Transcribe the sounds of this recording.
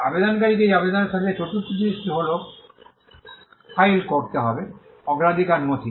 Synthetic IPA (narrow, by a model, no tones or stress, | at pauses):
a̰bed̪ɔnkaɹikejabed̪ɔnasat̪ɛt͡ʃotut̪ːd̪istɦolɔk | pʰajlkɔɹt̪eɦɔbɛ | ɔɡɹad̪ʱikanmot̪ʰi